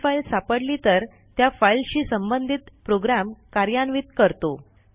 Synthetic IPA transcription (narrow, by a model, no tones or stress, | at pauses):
failsapəɽliːt̪əɾ | t̪jafailɕiːsəmbənd̪ʱit̪pɾoɡɾamkaɾjanʋiːt̪kəɾt̪o